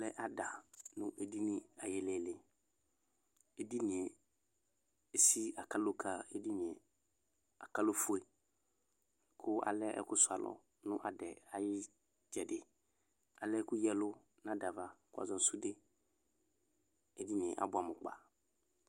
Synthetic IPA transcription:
lɛ˦ʔa˨da˨nʊ̰̃˦ʔe˦di˦nɪ̃˦a˨jɛ˦lɛ˨lɪ˨ | e˦˨di˦nĩ˨ɛ˨ | e˨si˦a˨kʰa˦lo˦kʰa˦e˦di˦ɲ˨ɛ̃˨ | a˨ka˦lo˦fʊ˦e˨ | kʰʊ˦a̰˨lɛ̰˦kʊ˦sʊ˨a̰˨lʔɔ̰˦ | nʊ̃˦ʔa˨dɛ˨a˨jɪ˦ | d͡ʒɛ˨dɪ˨ | a˨lɛ˦kʊ˦jɛ˦lʊ˦ | nã˦da˨va˨kʊ˦a̰˨zɔ̃˦n̩˦sʊ˦de˦ | e˦di˦ɲ˨ɛ̃˨ʔa̰˨bʊ˨a˨mʊ̃˨k͡pa̰˨

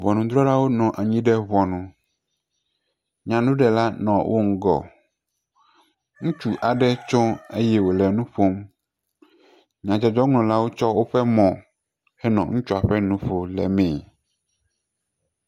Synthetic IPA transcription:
vɔ˨nũ˨d̪ɾɔ˦ɖa˦wo˦nɔ̃˨ʔa˨ɲĩ˦ɖɛ˦βɔ˨nũ˨ | ɲã˨nũ˦ɖɛ˨la˦nɔ̃˨wʔo̰˦ŋ̩˦ɡɔ̰˨ | ŋũ˦t͡ʃu˨ʔa˨ɖɛ˦t͡ʃɔ̃˦e˦jɛ˦wo˨lɛ˨nũ˦ɸo˦m | ɲã˨d͡ʒɔ˨d͡ʒɔ˦ŋlɔ̃˨la˦wo˦t͡ʃɔ˦wo˦ɸɛ˦mɔ̃˨ | hɛ˦nɔ̰̃˨ŋũ˦t͡ʃu˦a˨ɸɛ˦nũ˦ɸo˨lɛ̰˨mɛ̃˨

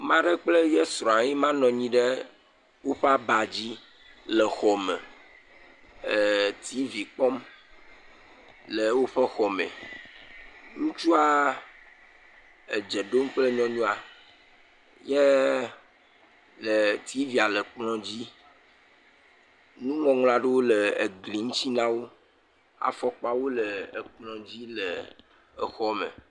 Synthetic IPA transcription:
mã˦ɖɛ˦k͡ple˦jɛ˦sɾɔ̃˨a˨ɲi˦mã˦nɔ̃˨ɲĩ˦ɖɛ˦ | wo˦ɸe˦a˦ba˨d͡ʑi˦ | lɛ˨xɔ˨mẽ˨ | t̪ʰi˨˦vi˨k͡pɔ˦m | le˨wo˦ɸɛ˦xɔ˨mḛ̃˨ | ŋũ˦t͡ʃu˦a˦ | e˨d͡ʒe˨ɖo˦m˦k͡plə˦ɲɔ̃˦ɲũ˦a˨ | je˦ | lə˨t̪ʰi˨˦vi˨a˨lə˨k͡plɔ̃˦d͡ʑi˦ | nũ˦ŋɔ̃˨ŋl̃ã˨ɖe˦wo˦lə˨e˨ɡli˨ŋũ˦t͡ɕi˦nã˦wo˦ | a̰˨fɔ˦k͡pa˦wo˦lə˨ə˨k͡plɔ̃˨d͡ʑi˦lə˨ | ə˨xɔ˦mḛ̃˨

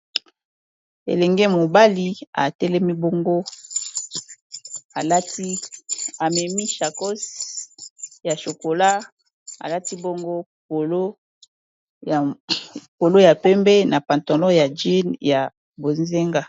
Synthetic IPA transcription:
ḛ˨lɛ˨ŋɡɛ˦mo˨ba˦li˦a̰˨tɛ˦lɛ˦mi˦bo˦ŋɡo˦ | a˨la˦ti˦a˨mɛ˨mi˦ʃa˨ko˦s | ja˨ʃo˨ko˨la˦ | a̰˨la˦ti˦bo˦ŋɡo˦ | po˨lo˦˨ | ko˨lo˦ja˨pɛ˦mbɛ˦na˨pa˨nto˨lɔ˦ja˨d͡ʒi˦nja˨ | bo˨nze˦ŋɡa˦

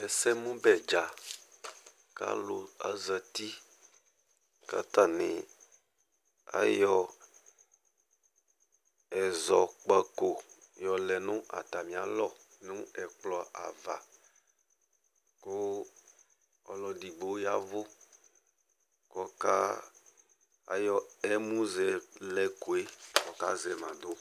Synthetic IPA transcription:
ɛ˨sɛ˦mũ˦bɛ˨d͡ʒa˨ | ka̰˦lo˨a̰˦zɛ˨t̪i˦ | ka̰˦t̪a˦nẽ˨ | a̰˦jɔ˦ | ɛ˨zɔ˨k͡pɛ˦ko˨jɔ˨lɛ˨nũ˦ʔa̰˨t̪a˨mĩ˨a̰˨lɔ˦nũ˦ɛ˨k͡plɔ˦a̰˨va̰˨ | ko˦ | ɔ̰˨lɔ˨di˨ɡ͡bo˦ja˦vo˦ | kɔ˦ka̰˦ | a̰˨jɔ˦ɛ˦mũ˦zɛ˨lɛ˦ko˨e˦kɔ˨ka̰˦zɛ˨mã˨do˦

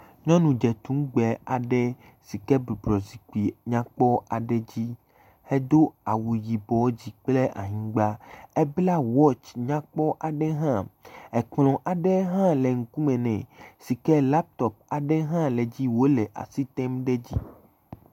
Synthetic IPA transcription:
ɲɔ̃˦nũ˨d͡ʒɛ˨t̪ũ˦m˦ɡ͡bɛ˨a˨ɖɛ˦ | si˨kɛ˦bɾi˨bɾɔ˨zi˨ku˨i˨ɲã˦k͡pɔ˦a˨ɖɛ˦d͡ʑi˦ | hɛ˦d̪o˦a˨wu˨ji˨bɔ˨˦d͡ʑi˦k͡ple˦ʔa̰˨ɲĩ˦ɡ͡ba˦ɛ˦bla˦wɔ˦t͡ʃɲã˦k͡pɔ˦ʔa˨ɖɛ˦ɦã˦ɛ˨k͡plɔ̃˨ʔa˨ɖɛ˦ɦã˦lɛ˨ŋu˨ku˦mɛ̃˨nɛ̃˨si˨kɛ˦la˦p̚t̪ɔ˨p̚a˨ɖɛ˦ɦã˦lɛ˨d͡ʑi˦wo˦lɛ˨ʔa̰˨si˦t̪ɛ˦mɖɛ˦d͡ʑi˦

